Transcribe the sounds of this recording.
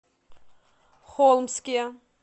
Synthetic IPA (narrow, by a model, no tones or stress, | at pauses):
χolˠmskʲia